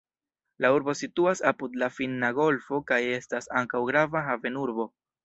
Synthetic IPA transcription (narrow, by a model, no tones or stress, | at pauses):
lauɾbo̞situasapud̪lafinːaɡo̞lfo̞kaje̞stasaŋkawɡɾavaɦave̞nuɾbo̞